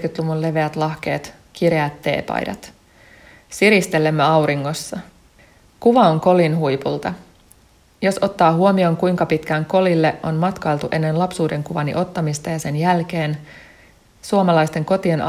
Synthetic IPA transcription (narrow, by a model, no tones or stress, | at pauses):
kyt̪luʋulle̞ʋe̞æt̪lɑhk̟e̞ːt̪ | k̟iɾeæt̪ːe̞̰ːpɑ̰jdɑ̰t̪ | siɾist̪e̞lːemːøɑwɾiŋːo̞sːɑ | kuʋɑoŋko̞linɦujpult̪ɑ | jo̞sʔo̞t̪ːɑːɦuo̞mio̞ŋkujŋkɑpit̪kæŋko̞lilːe̞ʔo̞nmɑt̪kɑjlt̪uʔe̞nːe̞nlɑpsuːde̞ŋkuʋɑnḭʔo̞t̪ːɑmist̪ɑjɑse̞njælk̟e̞ːn | suomɑlɑjst̪e̞ŋko̞t̪ien